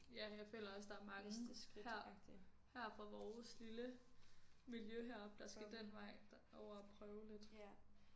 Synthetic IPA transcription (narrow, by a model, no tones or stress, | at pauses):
jæjɑ̈ɪfø̰ːlɐɒ̽sd̥ɑ̈æɐmɑ̈ŋ̥ə̥hæɐ̰̥ | hæɐ̰fʁɑ̈ʋɒːslilə | miljøɦeɐ̰b̥d̥ɑ̈sɡ̥æd̥en̰ʋɑ̈ɪ̰ | ɒʊ̰ɐæpʰʁœːʊle̝d̥